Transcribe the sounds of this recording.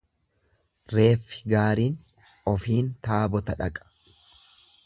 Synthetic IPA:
ɾe̞ːfːɪ̥ɡaːɾiːn | ɔfiːnt̪aːbɔt̪ɐᶑɐkʼɐ̥

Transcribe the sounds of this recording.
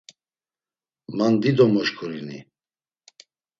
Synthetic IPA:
mand̪id̪ɔmɔʃkʰuɾini

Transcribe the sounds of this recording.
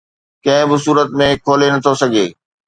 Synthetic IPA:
kɐ̃ɦɪ̃bɪsuːɾət̪mẽkʰoːlenɐt̪ʰosɐɡʱeː

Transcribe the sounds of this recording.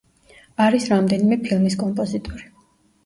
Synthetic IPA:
aɾisɾamd̪ɛnimɛpʰilˠmiskʼɔmpʼɔzit̪ʼɔɾi

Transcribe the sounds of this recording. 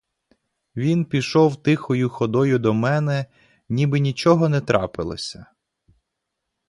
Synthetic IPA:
ʋʲinpʲiʃɔwt̪ɪxɔjʊxɔd̪ɔjʊd̪ɔmɛnɛ | nʲibɪnʲit͡ʃɔɦɔnɛt̪ɾɑ̰pɪlˠɔ̰sʲɐ

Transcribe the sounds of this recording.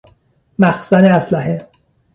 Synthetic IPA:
mæxsæneæslæɦe

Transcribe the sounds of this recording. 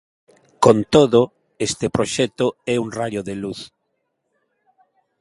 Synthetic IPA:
kont̪oðo | est̪epɾoʃɛt̪oɛuŋrajoðeluθ

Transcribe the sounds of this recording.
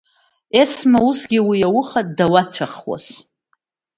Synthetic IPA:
esmausɡʲiwijawʊχat̚dawat͡sʷʰaχwa̰s

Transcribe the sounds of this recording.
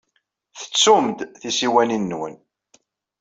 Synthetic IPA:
θə̥t͡sːumd̪θisiwæninːwə̰n

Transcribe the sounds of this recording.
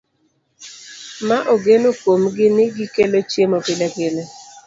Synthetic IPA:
maʔoɡenokomɡɪnɪɡɪkelot͡ʃemɔpɪlaɡelɛ

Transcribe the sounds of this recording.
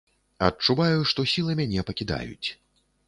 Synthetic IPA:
ɐt͡ʂuvajuʂt̪ɔsʲilˠɐmʲanʲɛpɐkʲid̪a̰jṵt͡sʲ

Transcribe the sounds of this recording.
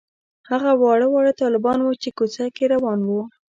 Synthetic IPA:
haɣawɑɽəwɑɽət̪ɑlɪbɑnwut͡ʃekot͡sakeɾawɑnwu

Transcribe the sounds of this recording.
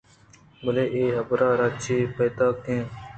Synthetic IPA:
bəleːʔeːɦəbɾaːɾaːt͡ʃeːpeːt̪aːkẽː

